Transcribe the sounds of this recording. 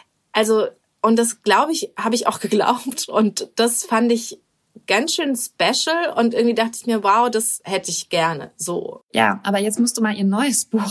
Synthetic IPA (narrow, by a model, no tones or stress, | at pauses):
ʔalzo | ʔʊntd̥asɡ̥laʊbəɪçhaːbəɪça̰ʊxɡ̥əɡla̰ʊp̚tʔʊntd̥asfandɪç | ɡ̥ansʃøːnspɛʃl̩ʊntʔɪɐɡŋ̩v̥iːdaχtəɪçmiːɐwaʊd̥ashɛtəɪçɡ̥ɛɐnə̰zo̰ːja̰ːʔaːbɐjɛt͡stmʊstd̥uːmaːlʔiːɐnɔʏəsb̥uːx